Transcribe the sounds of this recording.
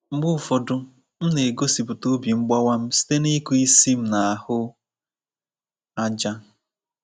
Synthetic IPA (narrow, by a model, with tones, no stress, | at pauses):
ŋ͡m̩˦ɡ͡bʊ˦˨fɔ˨dʊ˦ | m̩˦ne˨ɡo˦si˨pʊ˨to˦bi˨ŋ͡m̩˦ɡ͡ba˦wa˦m̩˦si̥˦te˦ni˦ku˦i˦si˦m̩˨na˨a˨hʊ˦ | a˦d͡ʒa˦